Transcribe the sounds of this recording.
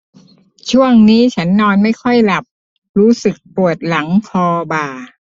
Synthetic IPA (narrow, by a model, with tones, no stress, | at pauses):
t͡ɕʰu˥˩əŋniː˦˥t͡ɕʰa˦˥nːɔː˧nma˥˩jkʰɔ˥˩jla˨˩p̚ | ɾuː˦˥sɯ˨˩k̚pu˨˩ət̪̚la˩˦ŋkʰɔː˧baː˨˩